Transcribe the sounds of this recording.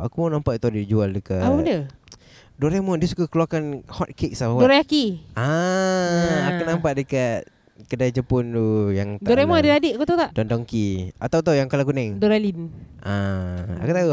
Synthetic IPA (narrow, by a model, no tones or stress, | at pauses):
akumanampaʔ̚t̪udiid͡ʒualdəkaapəbəndə | dɔɾemɔndiəsuɡakəluakanhɔt̪̚kik̚saadɔɾaakia | akunampaʔ̪̚dəkat̪̚ | kədajd͡ʒəpʊnt̪ujaŋtd̪aɔɾemɔndəadɪʔakut̪at̪aʔdɔndɔŋkiat̪awt̪̬awjaŋkalakunɛŋdɔɾalinʔaa̰kut̪au